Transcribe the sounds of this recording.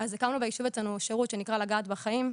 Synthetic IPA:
azekamnubejiʃivet͡slanuʃeʁut̪ʃenikʁalaɡaːt̪baχaim

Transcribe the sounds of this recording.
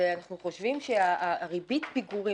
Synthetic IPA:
eanaχnuχo̞ʃvimʃeaʔʁibit̪biɡuʁi

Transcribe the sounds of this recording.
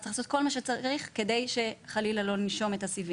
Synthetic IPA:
ḁiχlasot̪̚ko̞lmaʃet͡saʁiχke̞de̞jʃe̞χalilalo̞niʃo̞metasivi

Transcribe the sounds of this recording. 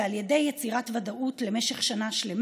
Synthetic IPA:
alje̞de̞jːet͡siʁatvadaʔutlemeʃeχʃanaʃle̞m

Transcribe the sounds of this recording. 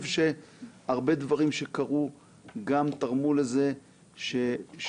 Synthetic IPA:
vʃe̞aʁbe̞d̪vaʁimʃe̞kaʁu | ɡamt̪aʁmuleze | ʃeʃ

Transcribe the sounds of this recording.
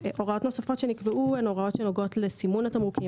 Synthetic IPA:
ʔo̞ʁao̞t̪no̞safo̞tʃenikbeʔueno̞ʁao̞tʃeno̞ɡo̞tlesimunatamʁuki

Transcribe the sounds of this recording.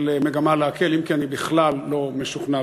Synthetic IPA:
leme̞ɡamaleake̞limkianibiχlalːo̞meʃuχna

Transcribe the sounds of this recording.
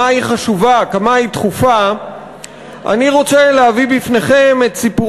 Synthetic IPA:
aiχaʃuvakamait̪χufa | ʔa̰niʁo̞t͡seleavibifne̞χe̞metsipu

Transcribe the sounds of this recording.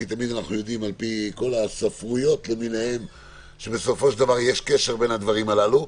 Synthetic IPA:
it̪amid̪anaχnujod̪imalpiko̞lasafʁujo̞t̪le̞minehe̞m | ʃebe̞so̞fo̞ʃd̪avaʁjeʃkeʃe̞ʁbe̞nhad̪vaʁimalalu

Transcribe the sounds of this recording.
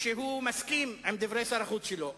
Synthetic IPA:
ʃeɦumaskimimd̪ivʁejsaɾaχut͡sʃelo

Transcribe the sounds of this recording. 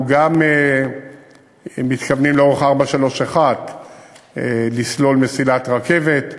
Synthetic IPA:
ɡame | mit̪kavnimleo̞ʁe̞χaʁbaʃalo̞ʃaχat̪ | lislo̞lmesilat̪ʁake̞ve̞t̪

